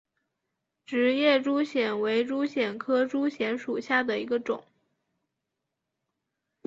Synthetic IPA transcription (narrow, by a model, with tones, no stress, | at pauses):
ʈ͡ʂɻ̩˧˥jɛ˥˩ʈ͡ʂu˥ɕjɛ˨˩nwe˧˥ɪʈ͡ʂu˥ɕjɛ˨˩nkʰɤ˥ʈ͡ʂu˥ɕjɛ˧˥nʂu˨˩ɕja˥˩d̪ə˩i˧˥ɡə˧ʈ͡ʂʊ˨˩˦ŋ